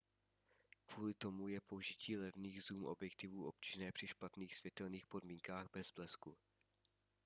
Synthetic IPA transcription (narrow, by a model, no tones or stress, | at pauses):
kvuːlɪt̪o̞mujɛpouʒɪcʰiːlɛvniːɣzuːmʔo̞̰bjɛkt̪ɪvuːʔo̞p̚ci̥ːʒnɛːpr̥ɪʃpat̪niːxsv̥jɛt̪ɛlniːxpo̞dmiːŋkaːɣbɛzblɛsku